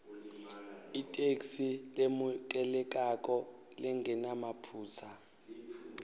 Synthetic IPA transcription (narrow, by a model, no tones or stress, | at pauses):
itʼeksilemukʼɛlɛk̬ʼak̬ʼɔ | lɛŋɡʱɛnamapʰuːsʰa